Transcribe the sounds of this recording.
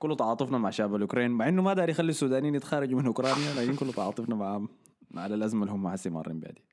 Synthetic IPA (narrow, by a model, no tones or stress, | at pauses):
kʊlːut̪ɑʕɑːt̪ˤɨfnɑmaʕʃaʕbalʔʊkɾˤeːnmaʕʔɪnːumad̪aːɾjxalːisːuːd̪aːniːnɪt̪xaːɾˤɑd͡ʒmɪnʔʊkɾˤɑːnjalaːkɪnkʊlːut̪ɑʕɑ̰ːt̪ˤɨfnɑmaʕ | aʕalalʔazmalhumːaʕasːimɑ̰ɾˤːḭmba̰ʕd̪i